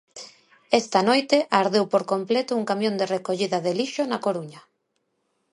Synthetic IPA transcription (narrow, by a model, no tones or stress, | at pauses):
ɛst̪ɐnojt̪eʔaɾðewpoɾkomplet̪ʊuŋkamjõnd̪erekoʎiðɐðeliʃonakoɾuɲɐ